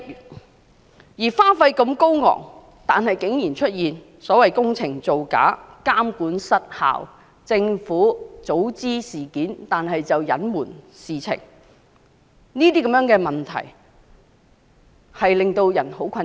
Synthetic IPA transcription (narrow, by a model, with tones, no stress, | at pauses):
jiː˨˩faː˥nfɐ˧jkɐ˧mko˥wŋɔ̰ː˨˩ŋ | t̪aː˨nɦɐ˨jkɪ˨˥ŋjiː˨˩nt͡ʃʰɵ˥t̚jiː˨n | sɔː˨˥wɐ˨jkʊ˥ŋt͡sʰɪ˨˩ŋt͡so˨wka̰ː˨˥kaː˥mkuː˨˥nsɐ˥t̚ha̰ː˨˩w | t͡sɪ˧ŋfuː˨˥t͡so˨˥wt͡siː˥siː˨˩kiː˨˥nt̪aː˨nɦɐ˨jt͡sɐ˨wjɐ˨˥nmuː˨˩n | siː˨˩t͡sʰɪ̰˨˩ŋ | niː˥t̪iː˥kɐ˨˥mjœː˨˥ŋkɛː˧mɐ˨nt̪ʰɐ̰˨˩j | hɐ˨jlɪ˨ŋt̪o˧wjɐ̰˨˩nho˨˥wkʰɐ˧